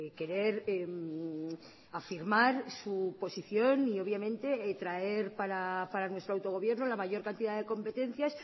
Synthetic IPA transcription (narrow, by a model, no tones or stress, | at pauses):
ke̞ɾe̞ɾem | afiɾmaɾsupo̞siθjo̞nio̞βjamẽ̞nt̪e̞t̪ɾae̞ɾpaɾapaɾanwe̞st̪ɾoawt̪o̞ɣ̞o̞βje̞ɾnolamaʝo̞ɾkant̪iðaðe̞ko̞mpe̞t̪e̞n̟θjas